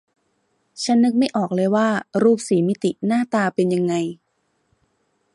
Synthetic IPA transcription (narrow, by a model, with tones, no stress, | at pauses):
t͡ɕʰa˦˥nːɯ˦˥k̚ma˥˩jʔɔː˨˩k̚lɤː˧˥jwaː˥˩ɾuː˥˩p̚siː˩˦mi˦˥t̪i˨˩naː˥˩t̪aː˧pe˧nja˧ŋːa˧j